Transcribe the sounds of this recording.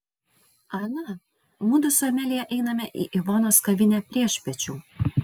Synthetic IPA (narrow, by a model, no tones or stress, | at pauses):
ɐnɐ | mud̪ʊsoːmʲælʲijɛʔɛɪnɐmʲɛʔḭʔɪʋɑnoːskɐʋʲɪnʲæpʲɾʲiɛʃʲpʲɛt͡ʃʲuː